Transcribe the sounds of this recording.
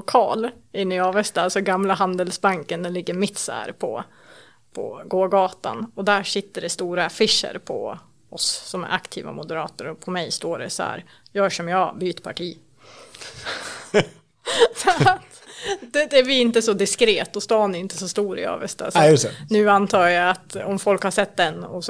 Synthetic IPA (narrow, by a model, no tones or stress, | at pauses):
lʊkʰɑːlɪnːyɑːvɛst̪alsɔɡamlaɦand̪əlsbaŋkənd̪ɛlɪɡːəɾmɪt̪sæ̰ːɾpʰɔ̰ | pʰɔ̰ɡoːɡɑːt̪a̰nɔd̪æʂɪt̪ːəɖɛst̪uːɾafɪʂə̰ɾpʰɔ̰ | ɔssɔmæ̰ɾʔa̰kt̪ʰḭːva̰mʊd̪əɾɑːt̪əɾɔpʰɔmɛjst̪oːɖɛ̰sɔhæ̰ːɾ | jœːʂɔmjɑːbyːt̪pʰaʈʰiː | sɔt̪ | d̪ɛd̪ɛæbɪɪnt̪əsɔd̪ɪskɾeːt̪ːɔst̪ɑːnɛɾɪnt̪ə̥sɔst̪uːɾɪ̰ɑ̰ːvɛst̪a̰sjnʉ̟ːant̪ʰɑːjaat̪ɔmfɔlkhaʂɛt̪ːd̪ɛnɔ